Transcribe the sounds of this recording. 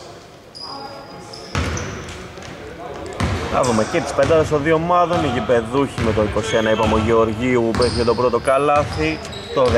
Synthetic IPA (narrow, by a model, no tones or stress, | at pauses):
nɐ̰ðumecet̪i̥spend̪ɐðest̪o̞nðio̞mɐðo̞niʝibe̞ðuçime̞t̪oiko̞sienɐipɐmoʝeoɾʝiuupesiçet̪o̞pɾo̞t̪o̞kɐlɐθi | t̪o̞